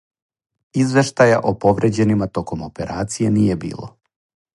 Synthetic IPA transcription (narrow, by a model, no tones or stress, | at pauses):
izʋe̞ʃt̪aja̰ʔopoʋɾed͡ʑe̞nimat̪o̞ko̞mopeɾaːt̪sije̞nije̞bḭːlˠo̰